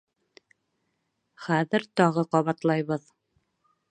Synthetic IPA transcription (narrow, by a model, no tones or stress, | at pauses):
χæðɘɾt̪ɒʁɤqɑβɑt̪lˠɑjβɤð